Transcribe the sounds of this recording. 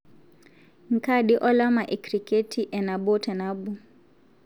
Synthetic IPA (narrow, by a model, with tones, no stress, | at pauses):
ŋ̩˨kaɗiʔɔ˦la˦ma˨ʔɛ˨kɾike˦tʰiʔɛna˨bɔ˦tɛ˨nabu